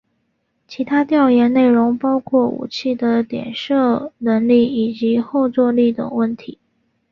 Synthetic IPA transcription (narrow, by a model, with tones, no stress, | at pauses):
t͡ɕʰi˧˥t̪ʰa˥t̪jɑ˥˧ʊjɛ˧˥nne˥˩ɪɻʊ˧˥ŋpɑ˥ʊkʰwɔ˥˩ṵ˨˩t͡ɕʰi˥˩d̪ə˩t̪jɛ̰˨˩nʂɤ˥˩nə˧˥ŋli˥˩i˨˩t͡ɕi˧˥xo˥˧ʊt͡swɔ˥˧li˥˩t̪ʊ̰˨˩ŋwə˥˩nt̪ʰi˧˥